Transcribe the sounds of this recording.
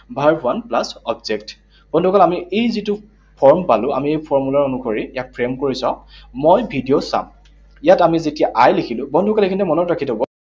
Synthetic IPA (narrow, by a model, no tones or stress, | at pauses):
bʱaɹwanplasɔbzekt | b̥ɔndʱukalamiʔejzitʊ | pʰɔɹmpalʊ̃a̰miejpʰɔɹmulaɹonukoɹijak̚pʰɹemkoɹisɔ̃mojbʱidijosa̰m | jatamizetijaʔajlekʰilʊ̃bɔndʱukalekʰinɛmɔnɔtɹakʰitɔbɔ